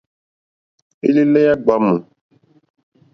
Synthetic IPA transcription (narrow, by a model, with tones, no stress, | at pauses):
i˦li˦lɛ˦ja˦ɡ͡ba˨˦mu˨